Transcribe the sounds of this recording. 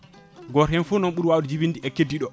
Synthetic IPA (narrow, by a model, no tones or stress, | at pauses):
ɡɔɾhɛnfunɔnɓuɾwawuɗid͡ʒibindiʔɛkːedːiɗɔ